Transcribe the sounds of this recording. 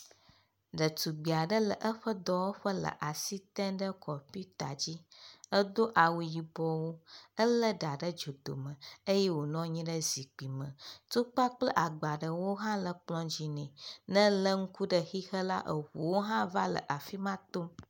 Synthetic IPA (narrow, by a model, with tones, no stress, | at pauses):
ɖə˨t̪u˨ɡ͡bi˨a˨ɖə˦lə˨ʔə˦ɸə˦d̪ɔ˦wo˦ɸə˦lə̰˨ʔa˨si˦t̪ɛ̃˦nɖə˦kɔ˨pi˦t̪a̰˨d͡ʑi˦ə˦d̪o˦ʔa˨wu˨ji˨bɔ˦wo˦ə˦lə˦ɖa˨ɖə˦d͡ʒo˨d̪o̰˨mə̃˨ə˦je˦wo˨nɔ̃˦ɲĩ˦ɖə˦zi˨k͡pi˨mə̃˨t̪u˦k͡pa˦k͡plə˦ʔa˨ɡ͡ba˨ɖə˨wo˦ɦã˦lə˨k͡plɔ̃˦d͡ʑi˨nɛ̃˨nə̃˦lə˦ŋ̩˦ku˦ɖə˨xi˦xə˦la˦ʔə˨ɸu˨wo˦ɦã˦va˦lə̰˨ʔa˨fi˦mã˦t̪o˦m